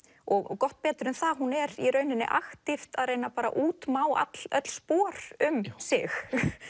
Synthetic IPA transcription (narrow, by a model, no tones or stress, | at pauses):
ɔɣkɔht̪̚pɛːt̪ʏɾʏmθaɦunɛɾiɾœːɥnɪnːɪ̰ʔaxt̪ɪft̪aðrejnapaːɾa̰ʔuːt̪maːwa̰t̪l̥œ̰t̪l̥spɔːɾ̥ʏmsɪx